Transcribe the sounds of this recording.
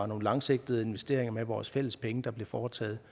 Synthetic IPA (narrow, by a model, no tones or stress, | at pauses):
ɑ̈no̝ːn̩lɑ̈ŋse̝ɡ̥̚d̥ð̩ˠe̝nʋesd̥e̝ɐ̰e̝ŋɐmeʋɒːsfel̰əspʰeŋəd̥ɑ̈ble̝fɒːt͡sʰɛ̰ːð̞̩ˠ